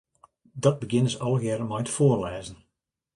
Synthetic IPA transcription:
dɔt̚bəɡɪnəsɔlˠɣjɛɾəmɔjtfoːrlɛːzən̩

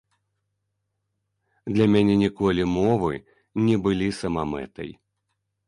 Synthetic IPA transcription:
d̪lʲɐmʲanʲɛnʲikɔlʲimɔvɨ̰ | nʲɛbɨlʲisɐmamɛ̰t̪ɐ̰j

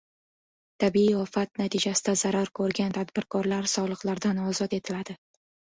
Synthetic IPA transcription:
t̪ʰabiiɒfat̪̚nat̪ʰid͡ʒasɪ̥d̪azaɾaɾkʰɵɾɡʲant̪ʰad̪bɪɾkʰɒɾlaɾsɒlˠɨqlaɾd̪anɒzɒt̪e̞t̪ʰɪlad̪ɪ

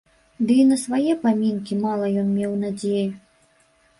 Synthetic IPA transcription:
d̪ɨinɐsvajɛpamʲinkʲimalˠɐjɔnmʲɛwnad͡zʲeju

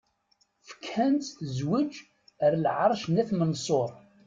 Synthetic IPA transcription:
fə̥kːænt̪θəzwəd͡ʒ | əɾlʕɑɾˤʃnæθmənsˤoɾˤ

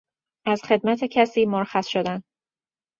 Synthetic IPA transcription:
ʔæzxe̞d̪̚mæt̪ʰecʰæsiːmoɾxæsʃod̪æn

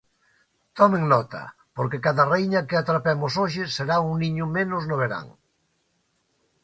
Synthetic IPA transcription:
t̪ɔmẽŋnɔt̪ɐ̰ | poɾkekaðɐrejɲɐkɪat̪ɾapɛmʊsoʃɪseɾauŋniɲʊmenʊznʊβ̞eɾa̰ŋ

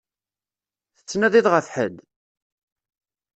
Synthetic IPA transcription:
θə̥t͡sːnæðiðʁəfħə̰d̪

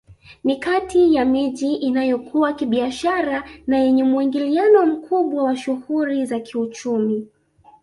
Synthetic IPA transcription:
nikatʰijamiʄiʔinajɔkʰuwakiɓiaʃaɾanajɛɲɛmuiŋɡilianɔm̩kʰuɓwawaʃuhuɾizakʰiut͡ʃumi

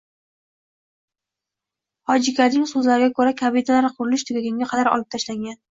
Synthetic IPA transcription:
hɒd͡ʒɪkʲʰanɪŋsɵzlaɾɪɡʲakʰɵɾakʲʰabid̪alaɾqʰʊɾɪlɪʃt̪ʰʊɡʲaɡʲaŋɡʲaqʰɑd̪aɾɒ̰lˠɪp̚t̪ʰaʃlaŋɡʲan

